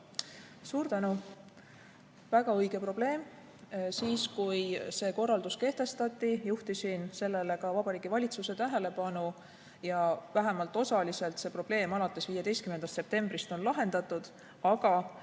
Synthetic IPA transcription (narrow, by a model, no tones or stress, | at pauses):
suːɾt̪ænu | væɡ̥ɑɤjɡ̥e̞pro̞b̥le̞ːm | siːskujse̞ːko̞rːɑld̪uske̞ht̪e̞st̪ɑt̪ːˑijuht̪isinse̞lːe̞le̞kɑvɑb̥ɑɾiːɡ̥ivɑlʲit̪suse̞t̪æɦe̞le̞pɑnu | jɑvæɦemɑlt̪ːˑo̞sɑlise̞lt̪se̞pro̞b̥le̞ːmɑlɑt̪ːˑe̞sviːjed̪e̞jst̪kymnːend̪ɑst̪se̞p̚t̪e̞mbrist̪o̞nlɑɦe̞nd̪ɑt̪ːˑud̪̥ | ɑɡɑ